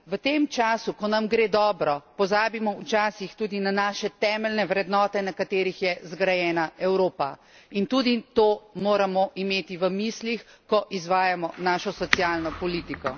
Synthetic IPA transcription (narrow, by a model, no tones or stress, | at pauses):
ʋət̪eːmt͡ʃaːsukɔnamɡɾeːd̪ɔːbɾɔpɔzaːbimɔwt͡ʃaːsixt̪uːd̪inanaːʃɛt̪ɛːmɛlnɛʋɾɛd̪nɔːt̪ɛnakat̪eːɾixjɛzɡɾajɛːnaɛwɾoːpa | int̪ud̪it̪oːmoːɾamɔʔimeːt̪iʋəmislix | kɔʔizʋaːjamɔnaːʃɔsɔt̪sjaːlnɔpɔliːt̪ikɔ